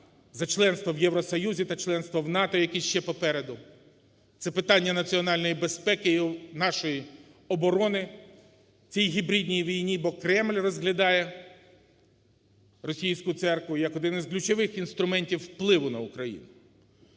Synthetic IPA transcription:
zɐt͡ʃlˠɛnst̪ʋɔwjɛwɾɔsɔjuzʲit̪ɐt͡ʃlˠɛnst̪ʋɔwnɑt̪ɔjɐkɛʃt͡ʃɛpɔpɛɾed̪ʊ | t̪sɛpɪt̪ɑnʲːɐnɐt͡sʲiɔnɑlʲnɔjibespɛkɪnɑʃɔji | ɔbɔɾɔnɪ | t͡sʲijɦʲibɾʲid̪ʲnʲijʋʲijnʲibɔkɾɛmlʲrɔzɦlʲɐd̪ɑjɛ | rɔsʲijsʲkʊt̪sɛrkʋʊjjɐkɔd̪ɪnɪzklʲʊt͡ʃɔʋɪxinst̪ɾʊmɛnʲtʲiwːplˠɪʋʊnɐʊkɾɐjḭnʊ

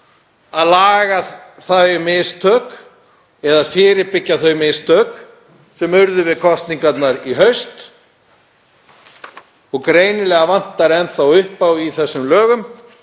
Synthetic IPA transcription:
aðlaːɣaθajmɪst̪ʰœːk | ɛðafɪːɾɪɾpɪcːaθœɥmɪst̪ʰœːk | sɛmʏɾðʏvɪðkʰɔst̪niŋkat̪naɾiɦœɥst̪ | ɔɣkɾeːjnɪlɛːɣavan̥t̪aɾɛnθawʏhpawiθɛsːʏmlœːɣʏm

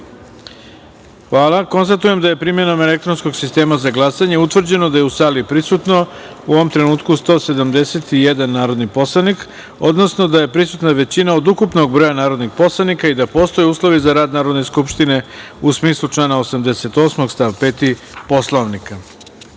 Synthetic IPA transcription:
xʋaːlako̞nst̪at̪uje̞md̪aje̞pɾimje̞nome̞le̞k̚t̪ɾo̞nsko̞ɡsist̪e̞ːmazaɡlˠasaɲe̞ut̪ʋr̩d͡ʑe̞no̞d̪ajeusaːlipɾisut̪no̞ | uoʋomt̪ɾe̞nuːt̪kust̪o̞ːse̞d̪amd̪e̞set̪ijed̪anːaːɾo̞d̪nipo̞slˠanik | o̞d̪no̞sno̞d̪aje̞pɾisut̪naʋe̞t͡ɕinaod̪ukupno̞ɡbɾo̞ːjanaːɾo̞d̪nixpo̞slˠanikaid̪apo̞ːst̪o̞jeuːslˠo̞ʋizaɾaːd̪naːɾod̪ne̞skupʃt̪ine̞ | usmiːslˠut͡ʃlˠaːnaosamd̪ese̞t̪o̞ːsmo̞ɡst̪aʋpe̞ːt̪i | po̞slˠoʋnika

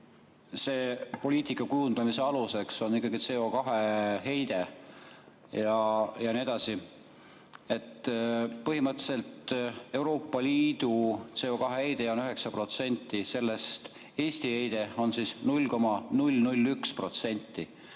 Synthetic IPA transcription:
se̞ːpo̞lʲiːt̪ˑikːˑɑkujund̪ɑmise̞ɑluse̞kso̞nikːˑɑɡit̪se̞ːo̞kɑɦeɦe̞jd̪e̞ | jɑjɑnie̞d̪̥ɑsi | e̞t̪ːpɤɦimɤt̪ːse̞lt̪e̞wɾo̞ːpːˑɑliːd̪̥ut̪se̞ːo̞kɑɦehejd̪̥e̞o̞nyɦe̞ksɑpro̞t̪se̞nʲt̪ːˑise̞lːe̞st̪ | e̞ːsʲt̪ihe̞jd̪̥e̞o̞nsiːsnulʲko̞mɑnulʲnulʲːykspro̞t̪se̞nʲt̪ːˑi

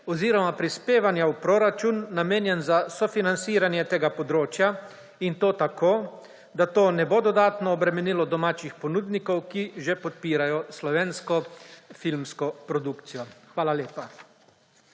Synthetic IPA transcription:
ɔziːɾɔmapɾispeːʋanjawpɾoːɾat͡ʃunːameːnjɛnzasɔfinant̪siːɾanjɛt̪eːɡapɔd̪ɾoːt͡ʃja | int̪oːt̪akʰoː | d̪at̪oːnɛbod̪ɔd̪aːt̪nɔːbɾɛmɛniːlɔd̪ɔmaːt͡ʃixpɔnuːd̪nikɔwkiʒepɔt̪̚piːɾajɔslɔʋeːnskɔfilmskɔpɾɔd̪ukt̪sijɔxʋaːlaleːpa

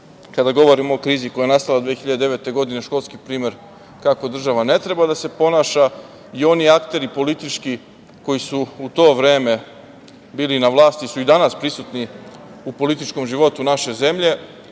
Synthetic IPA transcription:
kad̪aɡo̞ʋo̞ɾimoːkɾiːziko̞jajenast̪alad̪ʋexiʎad̪ed̪eʋet̪e̞ɡo̞d̪ine̞ʃko̞lˠskipɾiːme̞ɾ | kako̞d̪r̩ʒaʋane̞t̪ɾe̞bad̪ase̞po̞naʃa | io̞niakt̪e̞ɾipo̞lit̪it͡ʃki | ko̞jisuut̪o̞ːʋɾe̞ːme̞ | biːlinaʋlˠaːst̪isuid̪anaspɾisut̪niupo̞lit̪it͡ʃko̞mʒiʋo̞t̪unaʃe̞ze̞mʎe̞

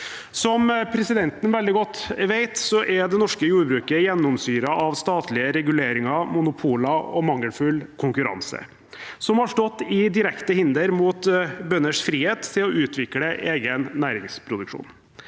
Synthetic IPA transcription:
sɔmpʰɾɛsɪd̪ɛnt̪ənʋɛld̪ɪɡɔt̪ːʋeɪt̪sɔʔɛɖ̪ɛnɔʂkəjuːɖbɾʉːkəjɛnːɔmsyːɾəʔɑʋst̪ɑːt̪lɪəɾɛɡʉleːɾɪŋɑmʊnʊpʰuːləɔmɑŋːəlfʉlkʰʊŋkʉɾɑ̰nsə̰ | sɔmhɑʂʈɔt̪ːɪd̪ɪɾɛkt̪əhɪnd̪əɾmuːt̪bœnːəʂfɾiːheːt̪ʰːɪlɔʉːt̪ʰʋɪkləʔeːɡənːæːɾɪŋspʰɾʊd̪ʉkʂṵːn

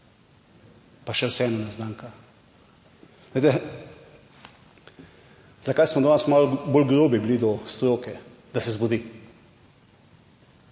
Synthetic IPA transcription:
paʃɛwsɛɛːnɔnaznaŋka | et̪ɛ | z̥akajsmɔd̪ɔnasmalbolɡɾoːbiblid̪ɔst̪ɾoːkɛ | d̪asɛzbɔd̪iː

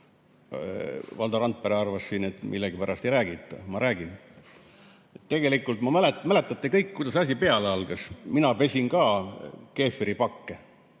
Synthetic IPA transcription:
vɑld̪ɑɾɑnt̪̚peɾeɑrvɑssiːnet̪mʔilːeɡipæɾʔɑst̪ejɾæːɡ̥it̪ːˑɑ̰mɑɾæːɡ̥in | et̪ːe̞ɡ̥e̞likːˑult̪mɑmæletmæle̞t̪ːˑɑt̪ːekɤjkkːujd̪ɑsɑs̬ʲipe̞ɑleɑlɡɑsminɑpe̞sʲinkɑːke̞ːfɾipɑkːe

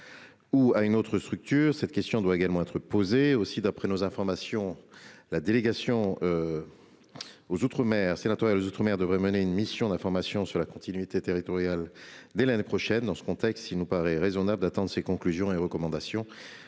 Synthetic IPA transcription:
uaynot̪χəst̪χyk̚t̪yːʁsɛt̪kʲɛst̪jɔ̃d̪waeɡalmɑ̃ɛt̪χəpozeosid̪apχɛnozɛ̃fɔʁmasjɔ̃lad̪eleɡasjɔ̃ø | ozut̪χəmɛʁsenat̪waʁjalozot̪χəmɛʁd̪əvʁɛməneynmisjɔ̃d̪ɛ̃fɔʁmasjɔ̃syʁlakɔ̃t̪inɥit̪et̪eʁit̪ɔʁjald̪ɛlanepχɔʃɛnd̪ɑ̃sə̥kɔ̃t̪ɛkst̪ilnupaʁɛʁezɔnabləd̪at̪ɑ̃d̪ʁəsekɔ̃klyzjɔ̃eʁəkɔmɑ̃d̪asjɔ̃

